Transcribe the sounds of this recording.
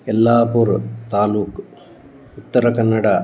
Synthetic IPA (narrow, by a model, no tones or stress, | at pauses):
ɛlːaːpuːɾt̪aːluːk | ut̪ːɐɾɐkɐnːɐɽa